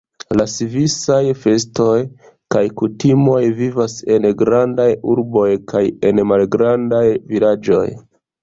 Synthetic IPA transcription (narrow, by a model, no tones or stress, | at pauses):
lasivisajfe̞sto̞j | kajkutimo̞jvivase̞nɡɾandajuɾbo̞jkʰaje̞nmalɡɾandajvilad͡ʒo̞̰j